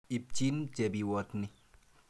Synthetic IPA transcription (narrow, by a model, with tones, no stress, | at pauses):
i˨p̚t͡ʃi˦nt͡ʃe˨bi˨wɔ˨tnɪ˦